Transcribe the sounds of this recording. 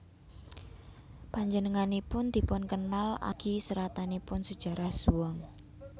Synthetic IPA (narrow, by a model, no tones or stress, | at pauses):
paɲd͡ʒənəŋanipʊnd̪̥i̤pʊnkənala̰ɡ̥isəɾat̪anipʊnsəd̥ʒ̥a̤ɾahsuwɔŋ